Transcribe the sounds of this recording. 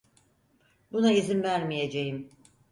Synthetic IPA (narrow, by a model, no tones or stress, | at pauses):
bunaizinvæɾmijed͡ʒejim